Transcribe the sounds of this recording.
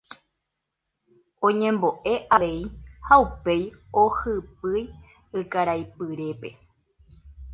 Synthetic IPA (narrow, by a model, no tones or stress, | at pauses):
õ̞ɲẽ̞mbo̞ʔe̞ʔaʋe̞ihaupe̞johɨpɨj | ɨkaɾajpɨɾe̞pe̞